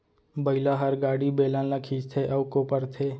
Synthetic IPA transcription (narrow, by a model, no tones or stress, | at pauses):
bɐɪlaɦɐɾɡaːɽibeːlãnakʰiːd͡ʒt̪ʰeʔɐwkopəɾt̪ʰeː